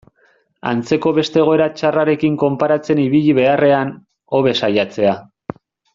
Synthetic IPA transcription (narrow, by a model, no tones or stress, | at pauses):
a̰nt͡se̞ko̞βe̞st̪eɣ̞o̞e̞ɾat͡ʃaraɾe̞kiŋko̞mpaɾat͡se̞niβ̞iʎiβe̞are̞an | o̞βe̞sajat͡se̞a